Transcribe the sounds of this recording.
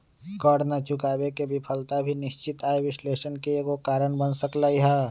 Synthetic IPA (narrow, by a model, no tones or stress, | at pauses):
kəɽnat͡ʃʊkaːbekebɪpʰəlt̪abʱinɪʃt͡ʃɪt̪aːeʋɪsleːʃənkekokaːɾənbənsəklaːiɦɛ